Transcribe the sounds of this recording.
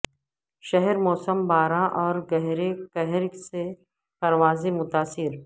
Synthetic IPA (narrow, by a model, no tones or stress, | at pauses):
ʃɐɦɛɾmɔːsəmbaːɾãʔɔːɾɡɐɦɾekɛɦɾkse | pɐɾʋaːzemʊt̪aːsɪɾ